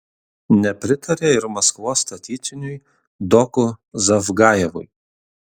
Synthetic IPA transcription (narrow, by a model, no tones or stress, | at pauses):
nʲɛpʲɾʲɪt̪ʰɐɾʲeːɪɾmɐskʋoːst̪ɐt̪ʲiːt̪sʲɪnʲʊj | d̪ɔkʊzɐfɡɑːjɛʋʊ̰j